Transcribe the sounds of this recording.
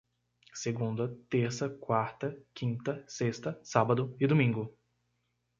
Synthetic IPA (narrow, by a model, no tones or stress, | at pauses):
seɡũnd̪ɐt̪eɾsɐkwaɾt̪ɐkʰĩnt̪ɐsest̪ɐsabɐd̪ʊɪd̪omĩŋɡʊ